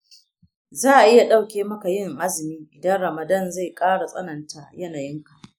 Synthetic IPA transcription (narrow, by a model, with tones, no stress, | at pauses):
zaː˦ʔa˨ʔɪ˦ja˨ɗa˦wkʲeː˦mɐ˦ka˨jɪ˦ŋʔa˦zɪ˨miː˦ʔɪ˨dɐ˦nɽɐ˨mɐ˨dɐ˦˨nza˦˨jkʼaː˦ɽa˨sʼɐ̰˦nɐ˨nta˦jɐ˦naː˨jɪ˦ŋka˨ʔ